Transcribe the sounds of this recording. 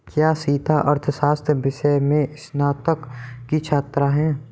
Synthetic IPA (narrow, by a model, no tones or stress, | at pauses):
kjaːsiːt̪aʔɐɾt̪ʰəsaːst̪ʰjbɪʃəjmẽɪsnaːt̪əkkit͡ʃʰaːt̪ɾaɦɛ̃ː